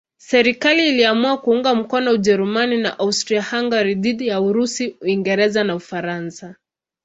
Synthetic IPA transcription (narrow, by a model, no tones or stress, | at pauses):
sɛɾikaliːliamuakuuŋɡam̩kɔnɔuʄɛɾumanina̰ʔaustɾiahaŋɡaɾiðiɗijauɾusiuiŋɡɛɾɛzanaufaɾansa